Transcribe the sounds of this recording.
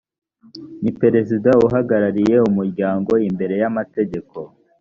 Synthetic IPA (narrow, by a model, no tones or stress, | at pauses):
nipe̞ɾe̞zidauɦaɡaɾaɾije̞umuɾɟaːŋɡo̞imbe̞ɾe̞jamate̞ɟe̞ko̞